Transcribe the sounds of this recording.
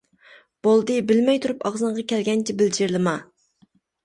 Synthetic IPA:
b̥olˠd̪ɨbɪlmɛjt̪ʰuɾupɑʁzɨɴʁɑkʲʰɛlɡʲɛnt͡ʃʰɛbɪld͡ʒɪɾlɨmɑ

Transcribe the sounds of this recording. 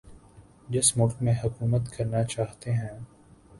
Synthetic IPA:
d͡ʒɪsmʊlkmẽɦʊkuːmət̪kɐɾnat͡ʃaːɦt̪eɦɛ̃ː

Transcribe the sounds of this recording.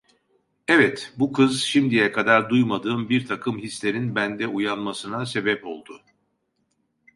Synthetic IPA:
ɛvɛt̪bukʰɯzʃimd̪ijɛkʰad̪aɾd̪ujmad̪ɯːmbiɾt̪ʰakʰɯmhislʲeɾinbænd̪ɛujanmasɯnase̞bɛpo̞̰lˠd̪ʊ

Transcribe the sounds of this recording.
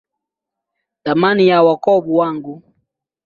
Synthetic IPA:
tamanijawakɔbuwaŋɡu

